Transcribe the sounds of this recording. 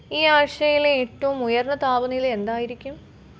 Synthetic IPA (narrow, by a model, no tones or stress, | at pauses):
iːaːʂɐjileːʈːɐʋumujɐrɳɐt̪aːbɐnijile̞nd̪aːjiɾikʲːum